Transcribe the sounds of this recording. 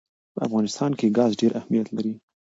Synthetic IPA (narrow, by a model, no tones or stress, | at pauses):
pəa̰fɣɑnɪst̪ɑnkeɡɑzɖeɾʔahmijat̪laɾi